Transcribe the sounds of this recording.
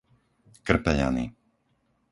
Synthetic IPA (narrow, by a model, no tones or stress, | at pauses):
kr̩pɛʎa̰nḭ